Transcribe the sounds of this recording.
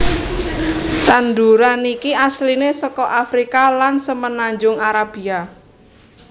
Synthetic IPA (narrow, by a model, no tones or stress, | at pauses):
t̪and̪uɾanikiʔaslinesɔkɔʔafɾikalansəmənaɲd͡ʒʊŋaɾab̥ia